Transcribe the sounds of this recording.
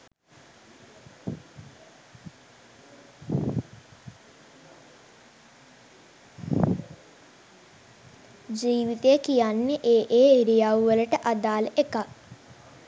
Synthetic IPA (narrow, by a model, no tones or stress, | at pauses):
d͡ʒiːʋit̪ejəkijanːeʔeːʔeːiɾijawʋələʈəʔad̪aːləʔeka